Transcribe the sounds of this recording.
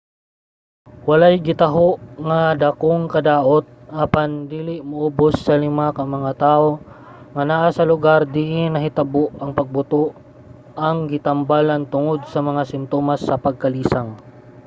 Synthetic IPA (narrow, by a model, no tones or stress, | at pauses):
wɐlajɡɪt̪ɐɦoʔŋad̪akoŋkɐd̪aːʔot̪̚ʔapand̪iːlɪʔmɐʔobosːɐlɪmakɐŋmɐŋat̪aːʔo | ŋɐnaʔasɐlʊɡaɾd̪iʔɪnɐɦɪt̪ɐboʔɐŋpɐɡ̚bʊt̪oʔ | ɐŋɡɪt̪ɐmbalant̪ʊŋod̪̚sɐmɐŋasɪmt̪oːmasːɐpɐɡ̚kɐliːsaŋ